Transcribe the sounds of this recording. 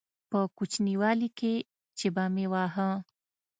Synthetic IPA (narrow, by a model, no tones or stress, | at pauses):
pəkut͡ʃʰniwaːlike | t͡ʃebamewaːɦã